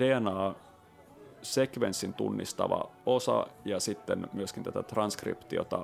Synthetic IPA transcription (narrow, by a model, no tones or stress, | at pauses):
d̥eænɑː | se̞kʋensːint̪ṵnːist̪ɑ̰ʋɑ̰osɑ̰jɑsit̪ːenmyøskint̪æt̪æt̪rɑnskrḭpt̪iot̪ɑ